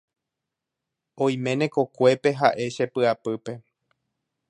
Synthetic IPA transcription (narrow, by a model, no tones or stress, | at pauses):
õj̃mẽ̞nẽ̞ko̞kʷe̞pe̞ɦaʔe̞ʃe̞pɨapɨpe̞